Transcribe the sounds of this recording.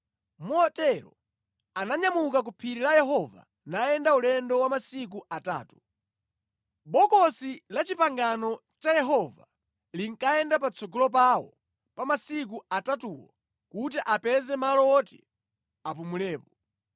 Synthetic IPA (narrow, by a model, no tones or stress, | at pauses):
muɔtɛɾɔ̰ | anaɲamukak̬upʰiɾilajɛɦɔva̰ | najɛndaulɛndɔwamasik̬uʔata̰ːtu̥ | bɔkɔsilat͡ʃipaŋɡanɔ | t͡ʃajɛɦɔva̰ | liŋ̩kaɛndapat͡sʰɔɡɔlɔp̬awɔ̰ | pamasik̬uatatuːwɔ | kut̬iʔapɛzɛmalɔɔtɛ̰ | apumulɛːpɔ